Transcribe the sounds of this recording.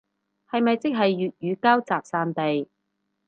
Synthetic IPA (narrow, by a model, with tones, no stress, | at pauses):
hɐ˨jmɐ˨jt͡sɪ˥k̚ɦɐ˨jːyː˨t̚jyː˨˧kaː˥wt͡saː˨k̚saː˧nt̪e˨j